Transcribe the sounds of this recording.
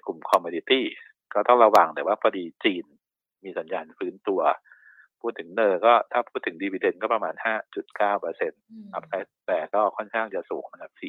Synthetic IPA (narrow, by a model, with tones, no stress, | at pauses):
klu˨˩mkʰɔ˧mːuː˧di˧t̪iː˥˩ | kɔː˥˩t̪ɔ˥˩ɾa˧waː˨˩ŋt̪ɛː˨˩˦waː˥˩pʰɔː˧diː˧t͡ɕiː˧n | miː˧sa˩˦njaː˧nfɯː˦˥nt̪u˧ɐ | pʰuː˥˩t̪ʰːɯ˩˦ŋnɤː˧jkɔː˥˩t̪ʰaː˥˩pʰuː˥˩t̪ʰːɯ˩˦ŋdi˧wiː˧de˧nkɔː˥˩pɾa˧maː˧nhaː˥˩t͡ɕu˨˩t̪̚kaː˥˩wpɤː˧se˧nʔa˨˩p̚sa˦˥t̪̚t̪ɛː˨˩kɔː˥˩kʰɔ˥˩nkʰaː˥˩ŋt͡ɕa˨˩sṵː˨˩˦ŋma˧nka˨˧˩p̚siː˨˩